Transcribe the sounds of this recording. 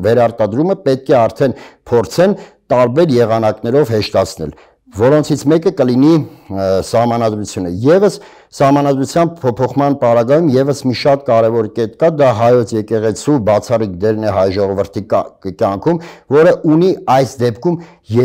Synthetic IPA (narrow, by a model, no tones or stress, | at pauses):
vɛɾɑɾt̪ɑd̪ɾuməpɛt̪̚kʰɛɑɾt̪ʰɛnpʰɔɾt͡sʰɛnt̪ɑɾbɛɾjɛʁɑnɑknɛɾɔvɦɛʃt̪ɑt͡sʰnɛ̰l | vɔɾɔnt͡sʰit͡sʰmɛkəkəlini | sɑhmɑnɑd̪ɾut͡sʰjunəjɛvəs | sɑhmɑnɑd̪ɾut͡sʰjɑnpʰɔpʰɔχmɑnpɑɾɑɡɑjumjɛvəsmiʃɑt̪̚kɑɾɛvɔɾkɛt̪kɑd̪ɑɦɑjɔt͡sʰjɛkɛʁɛt͡sʰubɑt͡sʰɑrikd̪ɛɾnɛɦɑjʒɔʁɔvəɾt̪ʰikjɑŋkʰumvɔɾəʔuniɑjsd̪ɛpkʰum | jɛ